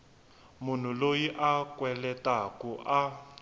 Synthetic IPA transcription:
mun̤ulojiʔakwɛlɛtʼakuʔa

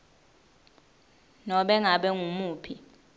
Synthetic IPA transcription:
nɔɓɛŋaɓɛŋumuːpʰi

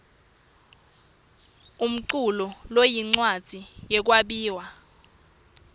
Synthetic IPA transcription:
um̩ǀulɔlojiŋ͡ǀwad̥ʱijɛk̬waɓiːwa

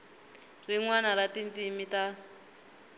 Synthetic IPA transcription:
riŋwanaɾatint͡simita

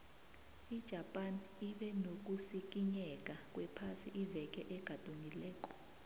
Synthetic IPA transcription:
id̥ʒ̥ʱapʼaniɓɛnok̬ʼusik̬ʼiɲɛk̬ʼak̬ʼwɛpʰasiʔivɛk̬ʼɛʔɛɡ̥ʱad̥ʼʱuŋilɛːk̬ʼɔ̥

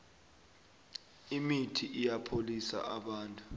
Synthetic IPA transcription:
imitʰiʔijapʰolisa̰ʔaɓaːntʼu

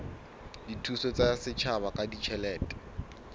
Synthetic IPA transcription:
ditʰusɔt͡sasɪt͡ʃʰaβakʼadit͡ʃʰɛlɛːtʼɛ̥

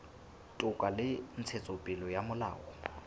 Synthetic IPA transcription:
tʼʊkʼalɪn̩t͡sʰet͡sʼopʼɪlɔjamʊla̰ːʔɔ

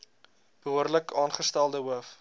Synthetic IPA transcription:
b̥əɦuərləkɑːnχəstælˠdəɦuəf

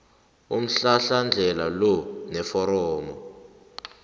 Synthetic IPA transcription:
um̩ɬaɬand͡ɮʱɛlalɔnɛfɔɾɔːmɔ

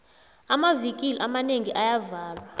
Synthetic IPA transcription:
amavikʼiliʔamaneŋiʔajavaːlwa

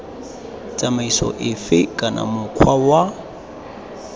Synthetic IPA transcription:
t͡sʼamaisɔ̰ʔɪfɪkʼanʔa̰mʊkʰwawa

